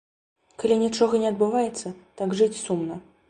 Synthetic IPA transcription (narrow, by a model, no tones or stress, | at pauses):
kalʲinʲit͡ʂɔɣɐnʲɛɐd̪̚bɨvajɛt̪sːɐt̪aɡʐɨt͡sʲsumnɐ